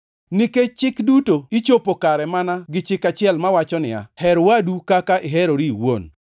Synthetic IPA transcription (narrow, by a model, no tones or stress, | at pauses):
niket͡ʃɪkdutoit͡ʃopokaɾɛmanaɡɪt͡ʃɪkat͡ʃɪɛlmawat͡ʃɔnɪa̰hɛɾwadukakaʔɪɦeɾoɾiiwon